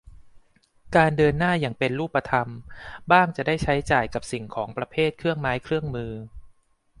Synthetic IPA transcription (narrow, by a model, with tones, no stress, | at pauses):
kaː˧ndɤː˧nːaː˥˩jaː˨˩ŋpe˧nɾuː˥˩pːa˧t̪ʰa˧mbaː˥˩ŋt͡ɕa˨˩daː˥˩jt͡ɕʰa˦˥jt͡ɕaː˨˩jka˨˩p̚si˨˩ŋkʰɔː˩˦ŋpɾa˧pʰeː˥˩t̪̚kʰɾɯ˥˩əŋmaː˦˥jkʰɾɯ˥˩əŋmɯː˧